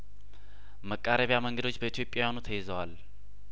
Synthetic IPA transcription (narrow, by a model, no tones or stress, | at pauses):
məkʼːaɾəβjaməŋɡəd̪o̞t͡ʃːbəit̪ʰjo̞pʼjawjanut̪ʰəjezəwal